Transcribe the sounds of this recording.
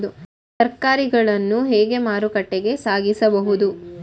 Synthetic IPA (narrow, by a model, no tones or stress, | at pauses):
d̪u | sɐɾkaːɾiɡɐɭɐnːuɦɛːɡe̞maːɾukɐʈːeɡe̞saːɡisɐbɐɦud̪u